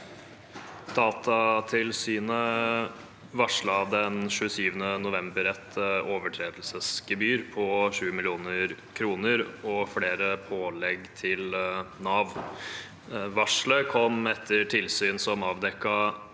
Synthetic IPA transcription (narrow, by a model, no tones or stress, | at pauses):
d̪ɑːt̪ʰɑt̪ʰɪlsyːnə | ʋɑʂɭɑd̪ɛnʃʉəsyːʋənənʊʋɛmbəɾɛt̪ːoːʋəʈʰɾeːd̪əlsəsɡəbyːɾpʰɔʂʉːəmɪlɪuːnəɾ | kʰɾuːnəɾɔfleːɾəpʰoːlɛɡt̪ʰɪlnɑːʋ | ʋɑʂɭəkʰɔmɛt̪ʰːəʈʰɪlsyːnsɔmɑːʋd̪ɛkːɑ